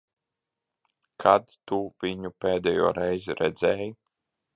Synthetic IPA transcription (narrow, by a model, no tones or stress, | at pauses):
kʰad̪t̪uviɲupʲeːd̪ɛjṵːɾɛjzɾɛd̪zɛːj